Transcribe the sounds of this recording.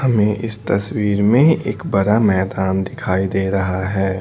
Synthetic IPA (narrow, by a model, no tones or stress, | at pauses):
hɐmẽʔɪ̰st̪ɐswiːɾmẽḛːkbɐɾamɛːd̪aːnd̪ɪkʰaːid̪eːɾɐɦaɦɛː